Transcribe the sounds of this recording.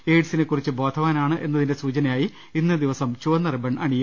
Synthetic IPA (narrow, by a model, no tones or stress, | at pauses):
eːʈsinekːurit͡ɕːɨbo̞ːd̪ʱʰɐʋaːnaːɳɨʔe̞nːɐðinde̞suːt͡ɕɐnɐjaːji | inːɨd̪iʋɐsɐmt͡ɕuɐnːɐrɨbɐɳɐɳijːu